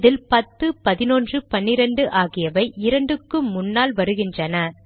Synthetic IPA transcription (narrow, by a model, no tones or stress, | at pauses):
ðɪlpɐt̪ːɯpɐðɪnoːndrɯpɐnːɪɾɐɳɖɯʔaːɣɪjɐʋɐɪʔɪɾɐɳɖɯkːɯmmːʊnːaːlʋɐɾɯɣɪndrɐnɐ